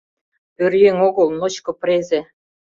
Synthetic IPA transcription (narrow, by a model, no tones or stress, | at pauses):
ørjeŋoɣɤ̆lnot͡ɕkɤ̆pɾezĕ